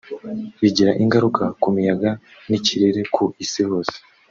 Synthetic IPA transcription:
βiɟiɾaʔiŋɡaɾukʰakumijaɡa | niciɾiɾe̞kʰuisiho̞ːse̥

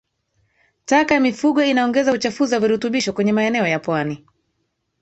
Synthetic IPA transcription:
takajamifuɠɔinaɔŋɡɛzaut͡ʃafuzawaviɾutuɓiʃɔkwɛɲɛmaɛnɛɔjapwani

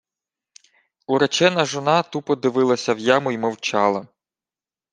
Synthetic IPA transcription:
uɾɐt͡ʃɛnɐʒɔnɑt̪upɔd̪ɪʋɪlˠɐsʲɐwjamʊjmɔwt͡ʃɑlˠɐ

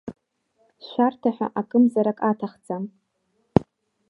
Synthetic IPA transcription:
ʃʷartʰaħʷᶣa̰ʔakʼɨmzaɾakʼatʰaχt͡sʼam

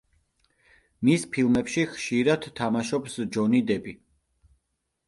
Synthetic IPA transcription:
mispʰilˠmɛpʃiχʃiɾad̪̥t̪ʰːamaʃɔpsd͡ʒɔnid̪ɛbi

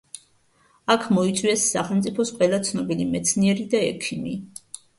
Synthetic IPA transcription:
akʰmɔit̪sʼwiɛsːaχɛlˠmt̪sʼipʰɔsqʼwɛlˠat̪sʰnɔbilimɛt̪sʰniɛɾid̪aɛ̰kʰimi

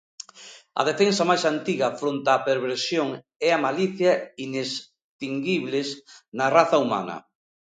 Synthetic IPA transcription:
ɐ̰ðefensɐmajsant̪iɣɐfɾont̪aːpeɾβeɾsjoŋ | ɛamaliθjaines | t̪iŋɡiβlesnɐraθɐuma̰nɐ̰

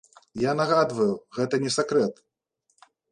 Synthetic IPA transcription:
janaɣad̪vɐjuɣɛt̪ɐnʲɛsʲakɾɛt̪

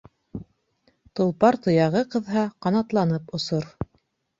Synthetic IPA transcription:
t̪ŏlˠpɑɾt̪ŏjɑʁɤqɤ̆ðɦɑqɑnɑt̪lˠɑnɤpŏsoɾ

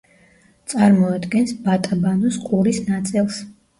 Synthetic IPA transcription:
t̪sʼaɾmɔad̪ɡɛnsbat̪ʼabanɔsqʼuɾisnat̪sʼilˠs

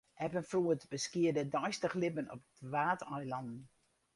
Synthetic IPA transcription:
ʔɛpənfruətbəskɪədədɔjstəχlɪpənɔ̰pətʋaːtɔjlɑndn̩

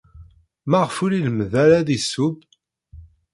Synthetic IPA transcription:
mæʁfʊɾiləmðæɾæðisːub

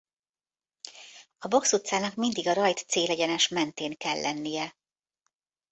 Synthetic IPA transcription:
ɒbo̞ksut̪saːnɒkmind̪iɡɒɾɒjt̪seːlɛɟɛnɛʃmɛnt̪eːŋkɛlːʔɛnːijɛ

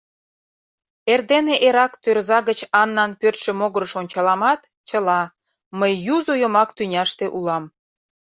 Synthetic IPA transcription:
erd̪eneʔeɾɑkt̪ørzɑɣət͡ɕɑnːɑnpørt̪ʃĕmoɣəɾəʃonʲt͡ɕɑlɑmɑt̪ | t͡ɕəlɑ | məjːuzojomɑkt̪ynʲɑʃt̪eʔulɑm

